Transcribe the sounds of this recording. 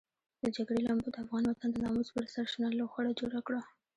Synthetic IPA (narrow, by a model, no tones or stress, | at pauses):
d̪̥əd͡ʒaɡɽelambod̪əafɣɑnwat̪and̪ənɑmuzbəɾsaɾʃnaloxwaɽad͡ʒoɽakɽa